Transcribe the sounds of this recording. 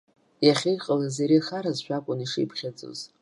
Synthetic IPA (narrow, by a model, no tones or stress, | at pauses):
jaχʲejqʼəlazeɾixaɾazʃᶣakʷʼʊniʂḭjpʰχʲat͡sʼo̰z